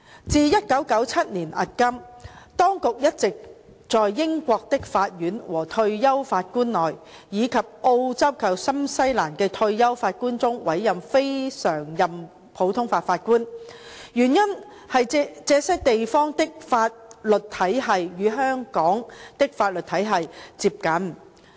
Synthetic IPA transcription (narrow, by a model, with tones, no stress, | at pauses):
t͡siː˨˧jɐ˥t̚kɐ˨˥wkɐ˨˥wt͡sʰɐ˥t̚niː˨˩nʔɐ̰˨t̚kɐ˥mt̪ɔː˥ŋkʊ˨k̚jɐ˥t̚t͡sɪ˨k̚ | t͡sɔː˨jːɪ˥ŋkʷɔː˧k̚t̪ɪ˥k̚faː˧t̚jyː˨˥nwɔː˨˩t̪ʰɵ˧ɥjɐ˥wfaː˧t̚kuː˥nlɔː˨˩j | jiː˨˧kʰɐ˨p̚ʔo˧wt͡sɐ˥wkʰɐ˨˩wsɐ˥msɐ˥jlaː˨˩nkɛː˧t̪ʰɵ˧ɥjɐ˥wfaː˧t̚kuː˥nt͡sʊ˥ŋwɐ˨˥jːɐ˨mfe˥jsœː˨˩ŋjɐ˨m | pʰo˨˥wt̪ʰʊ˥ŋfaː˧tfaː˧t̚kuː˥n | jyː˨˩njɐ˥n | hɐ˨jt͡sɛː˧sɐ˥k̚t̪e˨jfɔː˥ŋt̪ɪ˥k̚faː˧t̚lɵ˨t̚t̪ʰɐ˨˥jɦɐ˨jjyː˨˧ɦœː˥ŋkɔː˨˥ŋt̪ɪ˥k̚faː˧t̚lɵ˨t̪̚ʰɐ˨˥jɦɐ˨jt͡siː˧p̚kɐ˨˥n